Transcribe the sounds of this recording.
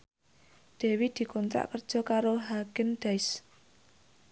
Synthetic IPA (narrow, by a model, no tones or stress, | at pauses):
d̪̥e̤wid̪̥i̤kɔnt̪ɾa̰ʔkərd̥ʒ̥ɔ̤kaɾoɦaɡ̥ənɖ̪̥aɪs